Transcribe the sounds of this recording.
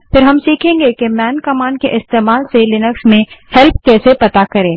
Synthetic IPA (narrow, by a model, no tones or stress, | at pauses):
fʰɪɾɦɐmsiːkʰẽːŋɡekemɛːnkɐmaːnkeʔɪst̪eːmaːlselɪnəksmẽhɛlp̚ʰkɛːsepɐt̪akɐɾẽː